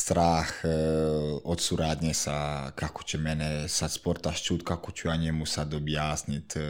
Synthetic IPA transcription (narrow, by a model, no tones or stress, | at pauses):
st̪ɾax | ɔt̪suɾaːd̪ɲɛsakaku̥t͡ʃɛmɛnɛsaspɔɾt̪aʃt͡ʃut̪kakut͡ʃuaɲɛmusad̪ɔbjaːzɲit̪ʲ